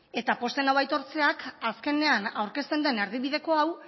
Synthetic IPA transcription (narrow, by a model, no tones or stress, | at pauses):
e̞t̪apo̞st̪e̞naβajt̪o̞ɾt͡se̞akaske̞ne̞anawɾke̞st̪e̞nd̪e̞neɾð̞iβiðe̞ko̞aw